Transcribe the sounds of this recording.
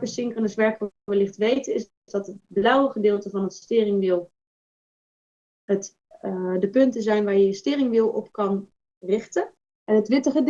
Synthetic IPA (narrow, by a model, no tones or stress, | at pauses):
kəsɪŋkənəsʋɛɹkʋəlɪχtʋejtəɪzdzdɑtɦət̚blʌwəχədɪːlˠtəvɑnətstɪːrɪŋʋɪlˠ | ət | dəpɵntəzɛjnʋaːɹjəjəstɪːrɪŋʋɪlˠɔpkɑn | rɪχtə | ʔɛnɦətʋɪtəχəd